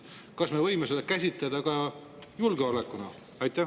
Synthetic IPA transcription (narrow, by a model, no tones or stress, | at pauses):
kɑsme̞vɤjmesed̪̥ɑkæsʲit̪led̪̥ɑkɑ | julɡeolekːˑunɑ | ɑjt̪ˑːæ